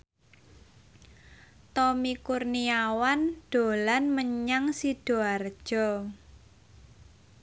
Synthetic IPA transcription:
t̪ɔmikurniawand̥o̤lanməɲaŋsid̥o̤ard̥ʒ̥ɔ

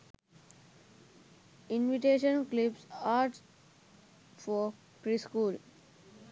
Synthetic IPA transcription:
ɪ̃nʋiʈeːʃə̃nklɪpsaːʈs | fɔ | pɾiːskuːl

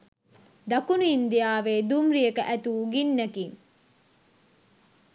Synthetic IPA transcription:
d̪akuniːnd̪ijaːʋeːd̪umɾijəkəʔæt̪uːɡinːækiŋ

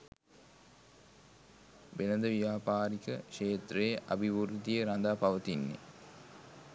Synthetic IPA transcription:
ʋenɐd̪əʋijaːpaːɾikəkʃeːt̪reːʔɐ̰bʱiʋuɾd̪ijeɾand̪aːpɐʋət̪inːḛ

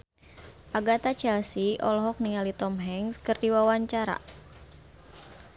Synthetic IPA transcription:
ʔaɡat̪at͡ʃɛlsiʔɔlɔɦɔk̚niŋalit̪ɔmɦɛŋskɨrdiwawaɲt͡ʃaɾa̰

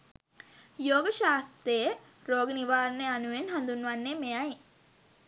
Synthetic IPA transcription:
joːɡəʃaːst̪ɾəjə | ɾoːɡəniʋaːɾənəjanuʋenɦand̪unːʋanːemejaj

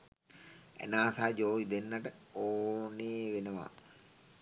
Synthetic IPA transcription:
æ̰naːsaːd͡ʒoːʋid̪enːaʈəoːneːʋenəʋa̰

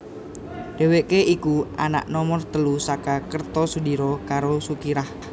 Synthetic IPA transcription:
ɖ̥e̤weʔkeʔikuʔana̰ʔnɔmɔrt̪əlusakakərt̪ɔsudiɾɔkaɾosukiɾah

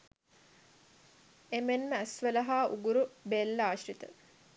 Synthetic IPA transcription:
emenməæsʋələɦaːʔṵɡuɾubelːəaːʃrit̪ə̰

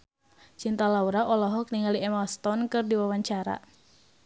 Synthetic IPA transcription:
t͡ʃint̪alauɾaʔɔlɔɦɔk̚niŋaliɛmast̪ɔnkɨrdiwawaɲt͡ʃaɾa̰

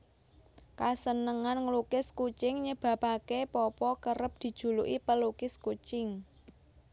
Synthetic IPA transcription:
kasənəŋanŋlukɪskut͡ʃɪŋɲəb̥ä̤pakepɔpɔkəɾəp̚d̪̥i̤̥ʒ̥ṳluʔipəlukɪskut͡ʃɪŋ

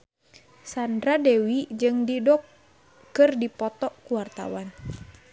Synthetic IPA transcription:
sandɾadɛwid͡ʒɨŋdidɔkː | ɨrdipɔt̪ɔʔkuwart̪a̰wan

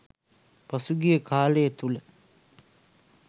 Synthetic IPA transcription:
pasuɡijəkʰaːləjət̪ulə

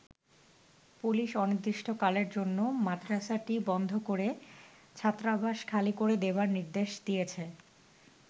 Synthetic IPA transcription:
puliʃɔnid̪ɾiʃʈʰokaleɾd͡ʑonːomat̪ɾaʃaʈibɔnd̪ʱokoɾe | t͡ɕʰat̪ːɾabaʃkʰalikoɾed̪ebaɾniɾd̪eʃd̪ijet͡ɕʰe

